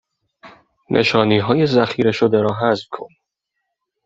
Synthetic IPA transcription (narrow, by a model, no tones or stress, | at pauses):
nʔḛʃɒːniːɦɒːje̞zæxiːɾe̞ʃod̪eɾɒːɦæzbkʰon